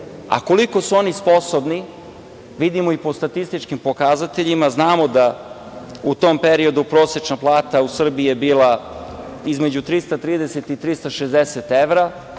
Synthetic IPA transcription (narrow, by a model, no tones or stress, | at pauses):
a̰ko̞liko̞suo̞nispo̞sobni | ʋid̪imoipo̞st̪at̪ist̪it͡ʃkimpo̞kazat̪eʎimaznaːmo̞d̪a | ut̪o̞mpeɾio̞d̪upɾoːsjet͡ʃnaplˠaːt̪ausr̩biiebiːlˠa | izmed͡ʑut̪ɾist̪at̪ɾiːd̪ese̞t̪it̪ɾist̪aʃezd̪eset̪eʋɾa